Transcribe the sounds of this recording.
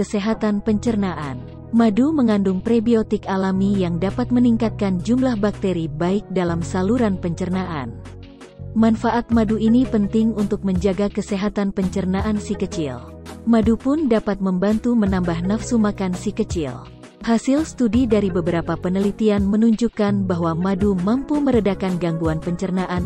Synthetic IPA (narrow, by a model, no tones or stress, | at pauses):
kəseɦat̪anpəɲt͡ʃərnaʔa̰n | maduməŋandʊŋpɾebiot̪ɪkalamijaŋdapat̪̚məniŋkat̪̚kand͡ʒumlahbak̚t̪eɾibaɪk̚dalamsaluɾanpəɲt͡ʃərnaʔa̰n | manfaʔat̪̚maduinipənt̪ɪŋunt̪ʊk̚məɲd͡ʒaɡakəseɦat̪anpəɲt͡ʃərnaʔansikət͡ʃɪ̰lmadupʊndapat̪̚məmbant̪umənambahnafsumakansikət͡ʃɪ̰l | hasɪlst̪udidaɾibəbəɾapapənəlit̪ianmənuɲd͡ʒukanbaɦwamadumampuməɾədakanɡaŋɡuanpəɲt͡ʃərnaʔan